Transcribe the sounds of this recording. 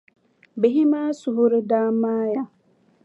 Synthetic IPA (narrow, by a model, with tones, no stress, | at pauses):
be˨ɦi˦maː˦su˨ɦʊ˦ɾɪ˦daː˦maː˦ja˦